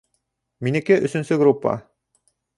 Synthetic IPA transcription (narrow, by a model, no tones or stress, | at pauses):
minɘ̆kɘʔɵ̆sɵ̆nsɵɡrupːa̰